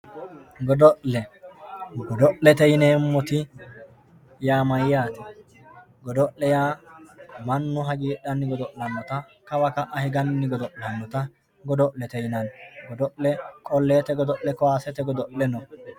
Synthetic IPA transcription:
ɡɔd̪ɔʔlɛ | ɡɔd̪ɔʔlɛt̪ɛjneːmːɔt̪ɪ | jaːmɐjjaːt̪ɪ | ɡɔd̪ɔʔlɛjaː | mɐnːʊɦɐɡiːɗɐnːɪɡɔd̪ɔʔlːɐnːɔt̪ɐ | kɐwɐkɐʔɐhɪɡɐnːɪɡɔd̪ɔʔlɐnːɔt̪ɐ | ɡɔd̪ɔʔlɛt̪ɛjnɐnɡɔd̪ɔʔlɛkʼɔlːeːt̪ɛɡɔd̪ɔʔlɛkɔaːsɛt̪ɛɡɔd̪ɔʔlɛnɔ

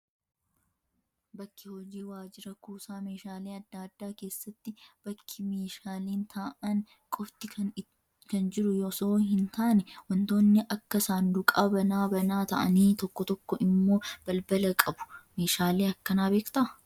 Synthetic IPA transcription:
bɐkːɪhɔd͡ʒiːwaːd͡ʒɪɾɐkuːsaːmeːʃaːleːɐd̪ːaːd̪ːaːke̞ːsːɐt̪ːɪb̥ɐkʰːɪmeːʃaːleːnt̪ʰaːʔɐn | kʼɔft̪ɪ | kɐnd͡ʒɪɾʊjoːsoːɦɪnt̪aːnɛwɐnt̪o̞ːnːɪʔɐkːɐsaːnd̪ʊkʼabɐnaːbɐnaːt̪ɐ̰ʔɐ̰niːt̪ɔkːɔt̪ɔkːɔʔɪmːo̞ːb̥ɐlbɐlɐkʼɐbʊ̥meːʃaːleːɐkːɐnaːbe̞ːkt̪ɐʔɐ

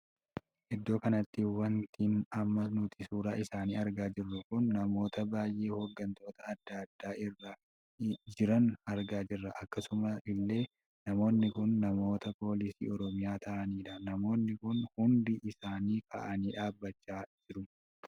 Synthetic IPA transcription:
ʔɛd̪ːo̞ːkɐnɐt̪ːɪwɐnt̪ʰiːnɐmːɐnʊt̪ʰɪsuːɾɐʔɪsaːniːɐɾɡaːd͡ʒɪrːʊkʊnːɐmo̞ːt̪ɐbaːjʔe̞ːhoːɡːɐnt̪ʰo̞ːt̪ɐːd̪ːɐd̪ːaːʔɪrːa | d͡ʒɪɾɐnɐɾɡaːd͡ʒɪrːɐʔɐkːɐsʊmɐɪlːe̞ː | nɐmo̞ːnːɪkʊnːɐmo̞ːt̪ɐpo̞ːlɪsḭːɔɾɔmɪjaːt̪ʰɐʔɐniːᶑɐnɐmo̞ːnːɪkʊnhʊnd̪ɪʔɪsaːniːkʰɐ̰ʔɐniːᶑaːbːɐt͡ʃːaːd͡ʒɪɾʊ

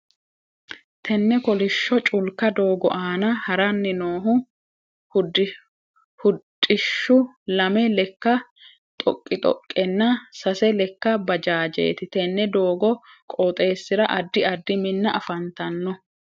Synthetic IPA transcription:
t̪ʰɛnːɛkɔlɪʃːɔt͡ʃʼʊlkːɐd̪oːɡɔ̰ʔaːnɐhɐɾɐnːɪnoːɦʊ | ʊd | hʊtʼːɪʃːʊlɐmɛlɛkːɐ | t̪ʼɔ̰kʼːɪt̪ʼɔ̰kʼːɛnːɐsɐsɛlɛkːɐbɐd͡ʒaːd͡ʒḛːt̪ɪt̪ɛnːɛd̪oːɡɔkʼɔt̪ʼe̞ːsːɪɾɐʔɐd̪ːɪɐd̪ːɪmɪnːɐʔɐfɐnt̪ɐnːɔ

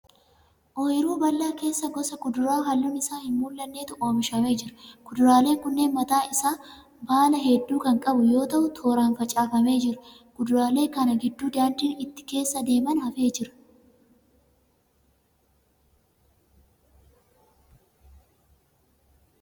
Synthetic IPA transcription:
ʔɔjɪɾuːbɐlːaːke̞ːsːɐɡɔsɐkʊd̪ʊɾaːɦɐlːʊnɪsaːhɪmmuːlːɐnːeːt̪ʊʔo̞ːmɪʃɐme̞ːd͡ʒɪɾʊɡ̥ʊd̪ʊɾaːle̞ːŋkʊnːe̞ːnmɐt̪aːʔɪsaː | baːlɐɦɛd̪ːuːkɐŋkʼɐbʊjo̞ːt̪ɐʔʊt̪ʰo̞ːɾaːnfɐt͡ʃʼaːfɐme̞ːd͡ʒɪɾʊ | kʊd̪ʊɾaːle̞ːkɐnɐɡɪd̪ːuːd̪aːnd̪iːnɪt̪ːɪ̥ke̞ːsːɐd̪e̞ːmɐnhɐfe̞ːd͡ʒɪɾɐ̥

